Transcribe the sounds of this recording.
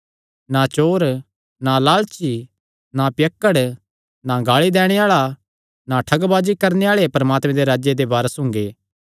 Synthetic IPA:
nat͡ʃoːɾ | nalaːlt͡ʃi | napjɐkːəɽ | naɡaːɭid̪ɛːɽ̃eaːɭa | naʈʰɐɡbaːd͡ʒikɐɾneaːɭepɐɾɐmaːt̪mẽd̪eɾaːd͡ʒjed̪ebaːɾəsɦʊ̃ŋɡeː

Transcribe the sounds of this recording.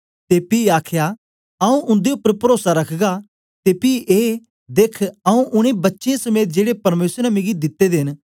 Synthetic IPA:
t̪epiaːkʰja | ɐũʔʊ̃nd̪eʊpːəɾpəɾoːsaɾɐkʰɡa | t̪epiʔeː | d̪eːkʰɐũʔʊɽ̃ẽbɐtːʃeẽsɐmeːt̪̚d͡ʒeːɽepɐɾmeːsɾamẽɡid̪ɪt̪ːed̪eɪn

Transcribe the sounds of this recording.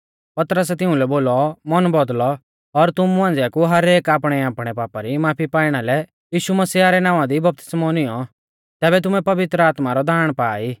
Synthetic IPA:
pɐt̪ɾəsɛt̪ɪ̃ʊ̃lɛboːlɔmɐnbɔd̪lɔː | ɾt̪ʊmuãːnd͡zɛakuɦɐɾeːkaːpɽ̃ɛaːpɽ̃ɛpaːpaɾimaːpʰipaːiɽ̃alɛ | jiːʃumɐsiːaɾɛnãːʋãd̪ibɐp̚t̪ɪ̥smɔnɪjɔ | t̪ɛːbɛt̪̬ʊmɛpɐʋɪt̪ɾəaːt̪maɾɔd̪ʱaːɽ̃paːiː

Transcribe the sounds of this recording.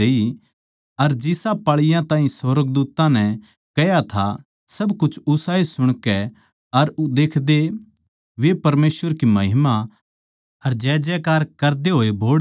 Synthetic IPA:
eːi | ɐɾd͡ʒɪsapaːɭɪjãt̪ãːɦĩsɔːɾəɡ̚d̪uːt̪ãnɛ̃ | kɛjat̪ʰa | sɐbkʊt͡ʃʰʊsaːesʊɽ̃kɛ | ɐɾd̪eːkʰd̪e | ʋepɐɾmeːsʋəɾkimɐɦɪma | ɐɾd͡ʒɛːd͡ʒɛkaːɾkɐɾd̪eɦoːeboːɽ

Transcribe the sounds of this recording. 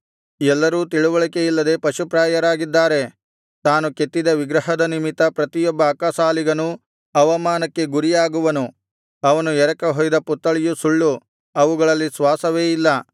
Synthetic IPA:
ɛlːɐɾuːt̪iɭuʋɐɭike̞jilːɐd̪e̞ːpɐʃupɾaːjɐɾaːɡid̪ːaːɾe̞ | t̪aːnuket̪ːid̪ɐʋiɡɾɐɦɐd̪ɐnimit̪ːɐpɾɐt̪ijɔbːɐːkaːsaːliɡɐnu | ɐʋɐmaːnɐkːe̞ɡuɾijaːɡuʋɐnu | ɐʋɐnuɛɾɐkɐɦɔjd̪ɐput̪ːɐɭijusuɭːu | ɐʋuɡɐɭɐlːisʋaːsɐʋe̞ːjilːɐ

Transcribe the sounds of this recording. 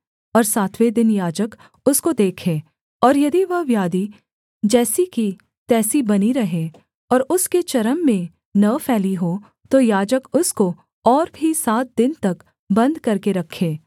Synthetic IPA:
ɔːɾsaːt̪ʰʋed̪ɪnjaːd͡ʒək | ʊskod̪eːkʰeː | ɔːɾjɐd̪iʋɐɦʋjaːd̪i | d͡ʒɛːsiki | t̪ɛːsibɐniɾɐɦe | ɔːɾʊsket͡ʃɐɾəmːẽ | nɐpʰɛːliɦo | t̪ojaːd͡ʒəkʊsko | ɔːɾbʱisaːt̪̚d̪ɪnt̪ɐk | bɐ̃nd̪kɐɾkeɾɐkʰːeː

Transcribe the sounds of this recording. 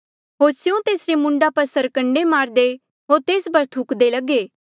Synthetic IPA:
ɦoːɾsjũt̪eːsɾemʊ̃ɳɖapɐɾsɐɾkə̃ɳɖemaːɾd̪e | ɦoːɾt̪eːsbɐɾt̪ʰʊkd̪elɐɡeː

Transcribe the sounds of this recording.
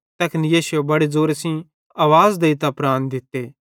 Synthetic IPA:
t̪ɐkʰənjeːsʊjebɐɽed͡zoːɾesĩ | aːʋaːzd̪eit̪apɾaːnd̪ɪt̪ːeː

